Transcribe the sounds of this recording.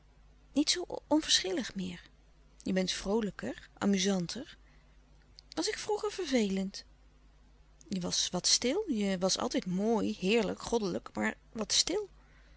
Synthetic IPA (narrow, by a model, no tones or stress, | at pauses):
nitsowɔnv̥əɹsχɪləχmɪːɹ | jəbɛntfrowləkəɹʔa̰ːmyzɑntʰəɹ | ʋɑsɪkfruχəɹv̥əɹvejlənt | jəʋɑsʋɑtstɪlˠjəʋɑsɑ̰lˠtɛjtmoːjɦɪːɹləkχɔdələkma̰ːɹ | ʋɑtstɪlˠ